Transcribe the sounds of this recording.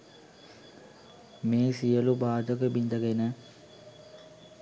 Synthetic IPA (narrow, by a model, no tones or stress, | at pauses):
meːsijəlubaːd̪əkəbind̪əɡenə